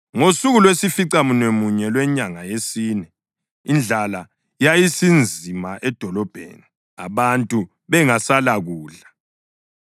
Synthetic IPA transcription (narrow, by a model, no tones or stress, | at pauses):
ŋosuɣulwesifiǀamunwemuɲɛlwɛɲaŋajesiːnɛ | ind͡ɮʱala | jajisind͡zʱimaʔɛd̥ʱɔlɔb̥ʱḛːni | a̰βantʼu | βɛŋasalaɣuːɮa